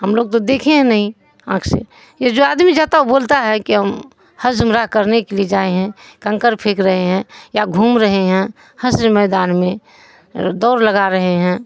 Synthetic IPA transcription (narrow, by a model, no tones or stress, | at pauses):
ɦəmloːɡ̚t̪od̪eːkʰeɦɛ̃nɐɦĩ | ãːkʰsḛ | jed͡ʒoaːd̪mid͡ʒaːt̪aoboːlt̪aɦɛkiɦəm | həd͡ʒmɾaɦkəɾnekelied͡ʒaːeɦɛ̃kə̃ŋkəɾpʰeːkɾəɦeɦɛ̃jaɡʱuːmɾəɦeɦɛ̃ | həsɾmɛːd̪aːnmẽ | d̪ɔːɾləɡaɾəɦeɦɛ̃ː